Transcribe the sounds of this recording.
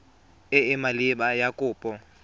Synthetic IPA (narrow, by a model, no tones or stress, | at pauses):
ɪɪmalɪbajakʼʊːpʼɔ